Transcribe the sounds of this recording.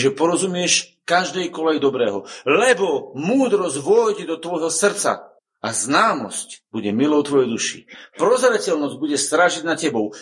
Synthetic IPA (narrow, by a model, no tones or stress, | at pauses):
ʒɛpɔɾɔzumɪɛʃkaʒd̪ɛjkɔlɛjd̪ɔbɾɛːɦɔ̰lɛbɔmuːd̪ɾɔzɟʋɔjɟɛd̪ɔt̪ʋɔjɦɔsr̩t͡sa̰ | aznaːmɔ̰scb̥uɟɛmilɔʊt̪ʋɔjɛjd̪uʃḭpɾɔzɾɛcɛlnɔzɟ̚buɟɛst̪ɾaʒiɟnacɛbɔʊ